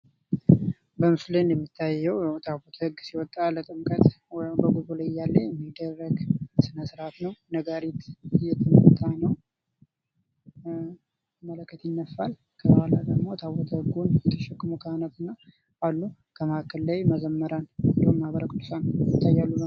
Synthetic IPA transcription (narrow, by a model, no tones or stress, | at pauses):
bəmɨslenjɛmːit̪ʰːajːɛwjt̪ʰaβot̪ʰhɨɡsiwɔt̪ʼːalət̪ʼɨmkʼət̪ | wɔjmbəɡuzulajjalːəjɛmːid̪ːərːəɡsɨnəsɨɾat̪nəwnəɡaɾit̪ɨjːɛt̪ʰɨnt̪ʼːanəw | mələkʰːət̪jɪnːəfal | kʰəwalad̪əɡmo̞t̪ʰaβɔt̪ʰəhɨɡunjɛt̪ʰə̥ʃɛkːɨmukʰəanət̪ɨnːa | ʔalːu | kʰəmakʰəlːajməzəmːəɾannd̪omːaβəɾəkʰʼɨd̪ːusanjmt̪ʰːajːalːunəw